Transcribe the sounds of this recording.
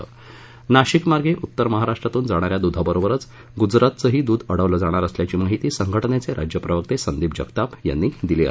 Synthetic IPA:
ə | naɕikmaɾɡʱeʔut̪ːəɾməɦaɾaʂʈɾat̪uːnd͡zaɽ̃aɾjad̪ud̪ʱabəɾobəɾət͡s | ɡud͡zɾat̪t͡səɦiːd̪uːd̪ʱəɽəʋləd͡zaɽ̃aɾəsljat͡ɕiːmaɦit̪iːsəŋɡʱəʈɳet͡seɾʔa̰d͡ʑjəpɾəʋək̚t̪esənd̪iːp̚d͡ʑəkt̪apja̰nːiːd̪ileə̰

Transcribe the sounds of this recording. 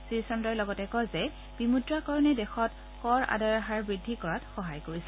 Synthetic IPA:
sisɛmdɔɹlɔɡɔtɛkɔzɛ | b̥imudɹakɔɹɔnɛdɛxɔt | kɔɹa̰daɹaɦaɹbɹidʱːikɔɹatxɔɦajkoɹisɛ̥

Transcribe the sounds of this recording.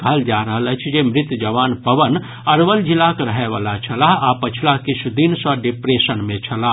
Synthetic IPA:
kəɦəld͡ʒaːɾəɦələt͡ʃʰd͡ʒemɾɪt̪jd͡ʒɐʋaːnpəʋən | ɐɾʋəld͡ʒilakɾəɦeʋaːlat͡ʃʰɐlaɦapɐt͡ʃʰlakɪt͡ʃʰud̪insɔɖɪpɾeːsənmẽt͡ʃʰɐla

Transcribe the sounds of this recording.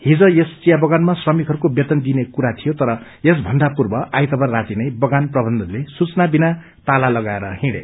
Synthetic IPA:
hid͡zʌ̃jest͡sijabʌɡanmasrʌmikɦʌɾukobjet̪ʌnd̪inekuɾat̪ʰijot̪ʌɾʌjesbʱʌnɖapurbʌʔajt̪ʌbʌrːat̪inʌjbʌɡanprʌbʱʌnd̪ʱʌnlesut͡snabina | t̪alalʌɡaeɾʌhĩɽḛ

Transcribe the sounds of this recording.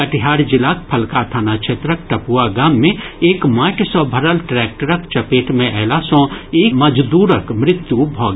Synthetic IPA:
kəʈɪɦaːɽd͡ʒɪlaːk̚pʰɐlkat̪ʰaːnat͡ʃʰet̪ɾək̚ʈɐpuaɡaːmːẽeːkmaːʈsɔ̃bʱəɾəlʈɾɛːk̚ʈəɾəkt͡ʃɐpeːʈmẽʔɛːlasɔ̃eːmɐd͡ʒd̪uːɾəkmɾɪt̪jubʱɔːɡ

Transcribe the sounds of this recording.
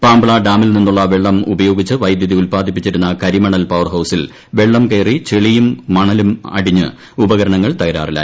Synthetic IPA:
paːmbɐɭɐɖaːmilninːuɭːɐʋeɭːɐmubɐjo̞ːɡit͡ɕːɨʋɐjd̪jɐðiulpaːd̪ʱip̬ːit͡ɕːiɾunːɐkɐɾimɐɳɐlpɐʋɐrɦɐwsil | ʋe̞ɭːɐmke̞ːrit͡ɕeɭijumːɐɳɐlumɐ̰ɽiɲːɨ̰ | ubɐɣɐɾɐɳɐŋːɐɭt̪ɐjɐɾa̰ːrila̰ː

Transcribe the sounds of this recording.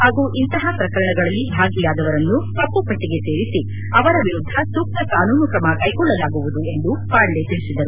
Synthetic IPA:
haːɡuːʔint̪ɐɦɐpɾɐkɐɾɐɳɐɡɐɭɐlːibʱaːɡilaːd̪ɐʋɐɾɐnːukɐpːupɐʈːiɡe̞se̞ːɾisi | ɐʋɐɾɐʋiɾud̪ʱːɐsuk̚t̪ɐkaːnuːnukɾɐmɐkɐjkɔɭːɐlaːɡuʋud̪ue̞nd̪upaːɽlet̪iɭisid̪ɐɾu

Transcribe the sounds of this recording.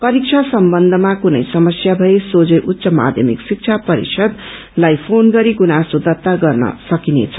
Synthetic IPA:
pʌɾik̚t͡sʰasʌmbʌnd̪ʱʌmakunʌ̰jsʌmʌsjabʱʌjesod͡zeʔut̪ːsʌma̰d̪ʱjʌ̰mḭksik̚t͡sʰapʌɾḭsʰʌd̪ | lajpʰonɡʌɾiɡunasod̪ʌt̪ːaɡʌrnʌ̰sʌkinḛt͡sʰʌ

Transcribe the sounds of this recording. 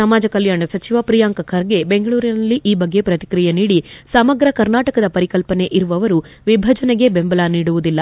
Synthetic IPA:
ɐmaːd͡ʒɐkɐljaːɳɐsɐt͡ʃiʋɐpɾijaːŋkɐkʰɐɾɡe̞beŋɡɐɭuːɾinɐlːiʔiːbɐɡːe̞pɾɐt̪i̥kɾijeniːɽisɐmɐɡɾɐkɐɾnaːʈɐkɐd̪ɐpɐɾikɐlpɐne̞ʔiɾuʋɐʋɐɾuʋibʱɐd͡ʒɐneɡe̞bembɐlaːniːɽuʋud̪ilːɐ

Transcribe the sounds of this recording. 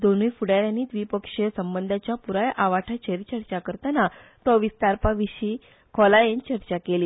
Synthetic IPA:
d̪onujfuɽaɾjanːiːt̪ʋiːpəkʂesəmbənd̪ʱat͡ɕjapuɾajʔaʋaʈʰat͡ɕəɾit͡ɕəɾt͡ɕakəɾt̪anat̪ɔʋist̪aɾpaʋiɕiː | kʰɔlajent͡ɕəɾt͡ɕakeliː

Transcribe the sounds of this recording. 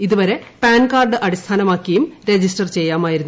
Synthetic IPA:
iðuʋɐɾe̞paːnkaːrɖɨʔɐɽist̪ʰaːnɐmaːkːiɐjumɾe̞d͡ʑisʈɐrt͡ɕe̞jːaːmaːjiɾunː

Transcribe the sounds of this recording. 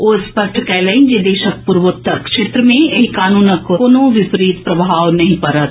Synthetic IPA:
oːspəʃʈʰkɛləind͡ʒed̪eːʃək̚puɾʋot̪ːəkʃeːt̪ɾəmẽekaːnuːnəkkoːnõʋɪpɾiːt̪pɾɐbʱaːʋnɐɦĩpɐɾət̪

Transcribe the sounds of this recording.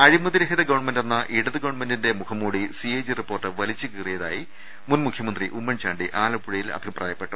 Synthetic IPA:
ɐɻimɐðiɾɐɦiðɐɡɐʋɐɳmendenːɐʔiɽɐðɨɡɐʋɐɳmendinde̞mukʰɐmːuːɽisiejd͡ʑiripːoːrʈːɨʋɐlit͡ɕːɨkirijɐðaːji | munmukʰjɐmɐnd̪riʔumːɐnt͡ɕaːɳɖiʔaːlɐpːuɻɐjilɐ̰bʱiprʔa̰ːjɐpːe̞ʈːu

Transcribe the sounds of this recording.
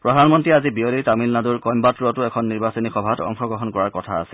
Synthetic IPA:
pɹɔdʱanmɔntɹiazibiolitamilnaduɹkɔmbatuɔtʊɛkʰɔnːiɹbasɔnixɔbʱatɔ̰ŋxʰɔɡɹɔɦɔnkɔɹaɹkɔtʰa̰ːsɛ

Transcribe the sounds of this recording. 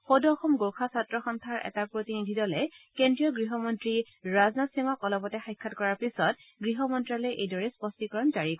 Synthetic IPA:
xodːxɔmɡokʰasatɹɔxɔntʰaɹʔɛ̰tapɹotinidʱidɔlɛkendɹijɔɡɹiɦɔmɔntɹi | ɹaznasimakɔlɔpɔtɛxajkʰːatkɔɹaɹpisɔt | ɡɹiɦɔmɔntɹalɔjʔejdɔɹɛspɔstikɔɹɔnzaɹikɔ

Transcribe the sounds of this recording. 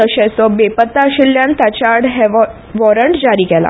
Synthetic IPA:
əɕɛsɔbepət̪ːaɕiljãnt̪at͡ɕaɽɦɛʋɔ | ʋɔɾəɳʈd͡ʑaɾiːkɛla̰

